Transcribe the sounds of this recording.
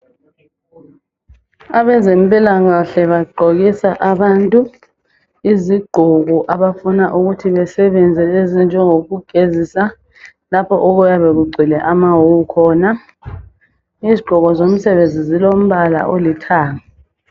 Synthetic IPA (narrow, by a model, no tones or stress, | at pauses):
aβɛzɛmpʼilaŋaɬɛβaɡ͡ǃʱoɣisaʔaβantʼu | iziɡ͡ǃʱɔɣɔʔaβafunaʔuɣutʰiβɛsɛβɛnd͡zʱɛezind͡ʒʱɛŋoɣuɡ̥ʱezisa | lapʰɔʔɔɣujaβeɣuɡ͡ǀʱilɛʔamawuukʰɔːna | iziɡ͡ǃ̥ʱɔɣɔzom̩sɛβend͡zʱizilom̩βala̰ʔolitʰaːŋa